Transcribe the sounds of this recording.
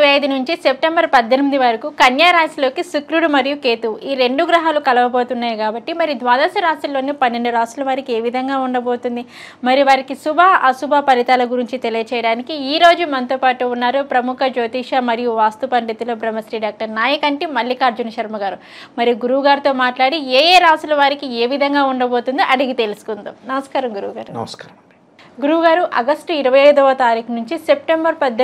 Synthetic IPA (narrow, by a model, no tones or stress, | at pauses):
ʋɐjɐjd̪unuɲt͡ʃise̞p̚ʈembɐɾpɐd̪ːenɐmid̪iʋaːɾikukɐnjaːɾaːsilo̞ːkisukɾuɽumɐɾijuke̞ːt̪uiːɾe̞ɳɖuɡɾɐɦaːlukɐlɐʋɐbo̞ːt̪unːaːjɐkaːbɐʈːimɐɾid̪ʋaːd̪ɐsɐɾaːst̪ɐlo̞ːnipɐnːe̞ɳɖuɾaːslɐʋaːɾikie̞ːʋid̪ʱɐŋɡaːuɳɖɐbo̞ːt̪und̪i | mɐɾijuʋaːɾikisubʱɐʔɐsubʱapɐlit̪aːlɐɡuɾiɲt͡ʃit̪e̞lijɐt͡ʃɛːjɐɽaːnikiiːɾo̞ːd͡ʒumɐnɐt̪oːpaːʈuːnːaːɾupɾɐmukʰɐd͡ʒoːt̪iːʂamɐɾijuʋaːst̪upɐɳɖit̪ilo̞ːbɾɐmːɐsɾiːɖaːk̚ʈɐɾnaːjɐkɐɳʈimɐlːikaːɾd͡ʒunɐʃɐɾmɐɡaːɾu | mɐɾijuɡuɾuːɡaːɾt̪oːmaːʈlaːɽieːjeːɾaːsulɐʋaːɾikieːʋid̪ʱɐŋɡaːuɳɖɐbo̞ːt̪und̪iʔɐɽiɡit̪e̞lusu̥kund̪unɐmɐskaːɾɐmɡuɾuːɡaːɾnɐ̰ska | ɡuɾuːɡaːɾuʔɐɡɐsʈiɾɐʋɐjɐjd̪ɔʋɐt̪aːɾiːkɐnuɲt͡ʃise̞p̚ʈembɐɾpɐd̪ː